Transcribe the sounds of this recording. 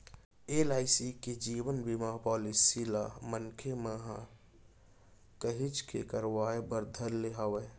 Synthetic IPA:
elaːɪsiked͡ʒiːwənbimapɔːlisilamənkʰeməɦã | kəɦɪt͡ʃkʰḛkəɾwaːebəɾd̪ʱəlːeɦawe

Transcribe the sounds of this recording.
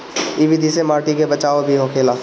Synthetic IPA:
iʋɪd̪ʱisemaːɾʈikebɐt͡ʃaːobʱiɦokʰeːlaː

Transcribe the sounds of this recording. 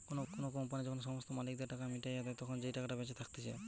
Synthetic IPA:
konokonokɔmpanid͡ʒɔkʰɔns̬ɔmɔst̪ɔmalik̚d̪eɾʈakamiʈajat̪ajt̪ɔkʰɔnd͡ʒejʈakaʈabɛt͡ʃet̪ʰak̚t̪isʰe

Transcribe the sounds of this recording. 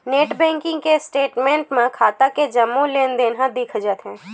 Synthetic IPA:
neːʈbɛ̃ːŋkɪ̃ŋɡkesʈeːʈmẽːɳʈmẽkʰaːt̪aked͡ʒɐmːũleːnd̪eːnɦãd̪iːkʰd͡ʒət̪ɦɛ̃ː

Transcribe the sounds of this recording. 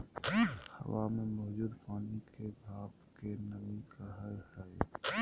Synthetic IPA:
hə̰wamemɔɦd͡ʒuːd̪paːnikebʱaːbkenəbikəɦəhɛj

